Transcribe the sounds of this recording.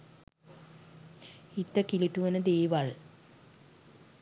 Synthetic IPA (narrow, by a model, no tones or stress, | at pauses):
it̪ːəkiliʈuʋenəd̪eːʋal